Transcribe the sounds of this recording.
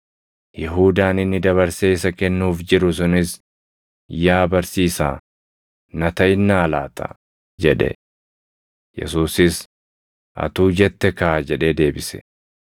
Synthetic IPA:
jɛɦuːd̪aːnɪnːɪd̪ɐβɐɾseːɪsɐkɛnːuːfd͡ʒɪɾʊs̬ʊnɪs | jaːbɐɾsiːsa̰ː | nɐt̪ɐɪnːaːla̰ːt̪ʼɐ̰ | d͡ʒɛᶑɛ̰ | jɛ̰suːsɪs | ʔɐ̰t̪uːd͡ʒɛt̪ːɛkɐad͡ʒɛᶑeːd̪e̞ːbɪsɛ̥̰

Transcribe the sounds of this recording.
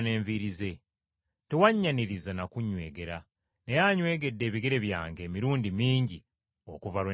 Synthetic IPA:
ne̞ːɱviɾize̞ | tewaɲːaniɾizanakuɲwe̞ːɡe̞ɾa | ne̞jaɲwe̞ːɡe̞dːe̞ːβiɡe̞ɾe̞βja̰ːŋɡe̞ːmiɾuːndimiːɲɟi | o̞̰kuvaw

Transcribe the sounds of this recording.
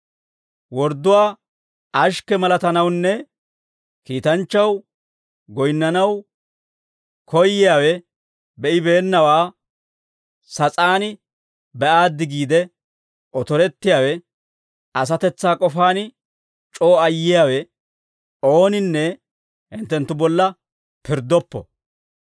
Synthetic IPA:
wɔɾd̪ːʊwaː | ʔɐʃkɛmɐlɐt̪ɐnɐwnːɛ | kiːt̪ɐnt͡ʃːɐw | ɡɔjnːɐnɐw | kʰɔjːɪjaːwɛ | bɛʔɪbe̞ːnːɐwaː | sɐt͡sʼaːnɪ | bɛʔaːd̪ːɪɡiːd̪ɛ | ʔɔt̪ɔɾɛt̪ːɪjaːwɛ | ɐs̬ɐt̪ɛt͡sːaːkʼɔfaːn | t͡ʃʼo̞ːɐjːɪjaːwɛ | oːnɪnːɛ | hɪnt̪ːɛnt̪ːʊbɔlːɐ | pɪɾd̪ɔpːɔ̰

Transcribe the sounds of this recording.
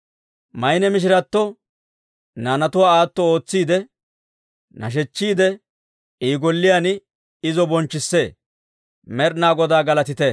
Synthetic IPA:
mɐjnɛmɪʃ̬ɪɾɐt̪ːɔ | naːnɐt̪ʊwaːaːt̪ːɔo̞ːt͡sːiːd̪ɛ | nɐ̰ʃ̬ɛt͡ʃːiːd̪ɛ | iːɡɔlːɪjan | ɪzɔbɔnt͡ʃːɪsːeː | mɛɾnaːɡɔd̪aːɡɐlɐt̪ɪt̪ɛ

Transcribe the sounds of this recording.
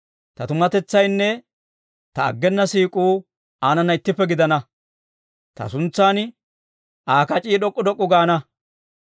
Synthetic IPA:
t̪ɐt̪ʊmɐt̪ɛt͡sːɐjnːɛ | t̪ɐːɡːɛnːɐsiːkʼuː | aːnɐnːɐɪt̪ːɪpːɛɡɪd̪ɐnɐ | t̪ɐ̰sʊnt͡sːaːn | ʔaːkɐt͡ʃʼiːɗɔkʼːʊd̪ɔkʼːʊɡaːnɐ

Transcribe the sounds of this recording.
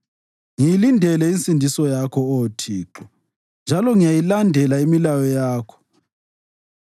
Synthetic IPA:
ŋijilindʱɛlɛint͡sʼindʱisɔjakʰɔotʰiːǁɔ | nd͡ʒʱalɔŋijajilandʱɛlaimilajɔjaːkʰɔ̥

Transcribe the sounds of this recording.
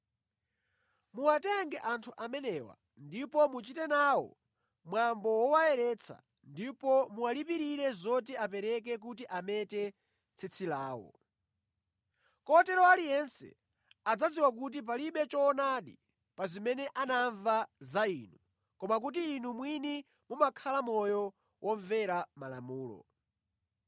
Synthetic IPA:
muwatɛŋɡɛʔantʰuʔamɛnɛwa̰ | ndipɔmut͡ʃitɛnaːwɔ̰ | mwambɔwɔwaɛɾɛt͡sʰa̰ | ndipɔmuwalipiɾiɾɛzɔtiapɛɾɛk̬ɛk̬utiʔamɛtɛ | t͡sʰit͡sʰilaːwɔ̰ | kɔtɛɾɔalijɛnsɛ̰ | ad͡zad͡ziwak̬ut̬ip̬aliɓɛt͡ʃɔːnaɗḭ | pazimɛnɛʔanaɱvazaiːnu | kɔmak̬ut̬iːnumwini | mumakʰalamɔjɔ | wʔɔɱvɛɾamala̰muːlɔ̰

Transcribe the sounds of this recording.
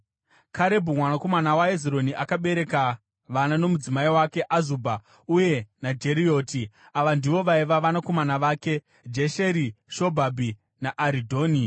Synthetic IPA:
kʰaɾe̞bʱumwanako̞manawaeziɾo̞niʔakaɓe̞ɾe̞ka | ʋanano̞mud͡zimaiwake̞ʔazuːbʱa | uje̞nad͡ʒe̞ɾio̞ːti | aʋandiʋo̞ʋaiʋaʋanako̞manaʋaːke | d͡ʒeʃe̞ɾiʃo̞bʱabʱi | naʔːɾidʱo̞ːni

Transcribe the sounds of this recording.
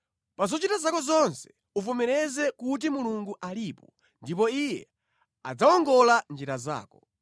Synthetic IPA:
pazɔt͡ʃitazakɔzɔnsɛ̥ | uvumɛɾɛzɛkut̬imuluŋɡuʔaliːpɔ | ndip̬ɔijɛ | ad͡zaɔŋɡɔland͡ʒiɾaza̰ːkɔ

